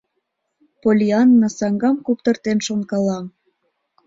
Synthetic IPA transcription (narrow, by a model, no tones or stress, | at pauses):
polʲiɑnːɑsɑŋɡɑmkup̚t̪ə̆rt̪enʃonkɑlɑm